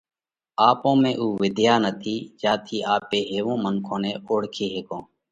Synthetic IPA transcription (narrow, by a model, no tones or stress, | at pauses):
aːpõːmẽːʔuːʋɪd̪ʱjaːnət̪ʰiːd͡ʒaːt̪ʰiːʔaːpeːɦeːʋõːmənkʰõːneːoːɽkʰeːɦeːkõː